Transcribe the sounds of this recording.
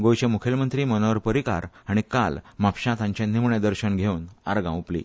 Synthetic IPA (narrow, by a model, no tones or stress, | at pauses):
ɡojɕẽmukʰelmənt̪ɾiːmənaʋəɾpəɾika̰ɾaɽ̃ikalmapɕãt̪ʰãɲt͡ɕãnimɳjad̪əɾɕənɡʱeuna̰ɾɡã̰wplḭː